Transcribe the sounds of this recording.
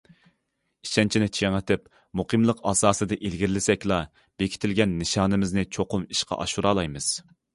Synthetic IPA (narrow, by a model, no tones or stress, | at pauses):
i̥ʃɛnt͡ʃʰinɪt͡ʃʰeŋɪt̪ʰɪp | muqɨmlˠəqɑːsɑːsɨd̪ɨʔelɡʲiɾlɪsɛkʲlˠɑ | b̥ekʲʰi̥t̪ʰɪlɡʲɛnːɨʃɑːnɨmɪznɨt͡ʃʰoqʰʊmi̥ʃqʰɑ̰ʔɑ̰ʃuɾɑːlˠɑjmɨz̥